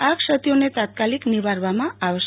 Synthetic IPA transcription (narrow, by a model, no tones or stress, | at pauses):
akʃat̪ionet̪at̪̚kalikniβaɾβamaːβes